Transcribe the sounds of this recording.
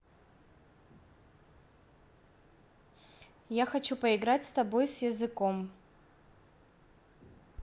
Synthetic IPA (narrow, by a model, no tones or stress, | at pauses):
jaxɐt͡ʃupɐiɡɾatʲst̪abo̞jsjɐzɨko̞m